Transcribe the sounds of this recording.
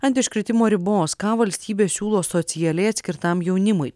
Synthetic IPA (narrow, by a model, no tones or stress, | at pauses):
ɐnʲt̪ʲɪʃkɾʲɪt̪ʲɪmoːɾʲɪboːskɑːʋɐlʲsʲt̪ʲiːbʲeːsʲuːlˠoːsɔt̪sʲɪjɛlʲɛɪɐt̪ʲsʲkʲɪɾt̪ɐmjɛʊnʲɪmʊɪ